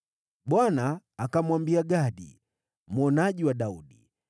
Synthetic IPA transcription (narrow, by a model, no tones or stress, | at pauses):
ɓwanaːkamwambiaɡaɗḭ | mɔnaʄiwaɗauɗi